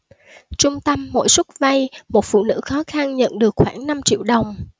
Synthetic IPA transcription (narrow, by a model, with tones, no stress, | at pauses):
t͡ɕʊ˧ŋ͡mt̪ə˧mːo̰˧˥jswʊ˦˥t̚va˧jmo˨˩t̚fṵ˧˨nɨ̰˧˥xɔ˨˦xa˧nɲə̰˧˨nɗɨ˨˩ək̚xwaː˧˩ŋna˧mt͡ɕḭ˧˨wɗə˨˩wŋ͡m